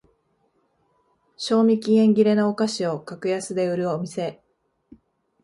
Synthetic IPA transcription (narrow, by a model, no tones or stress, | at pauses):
ɕo̞ːmʲikʲiẽ̞ŋɡʲiɾe̞nookaɕio̞kakɯ̟jasɨd̪e̞ɯ̟ɾɯ̟omʲise̞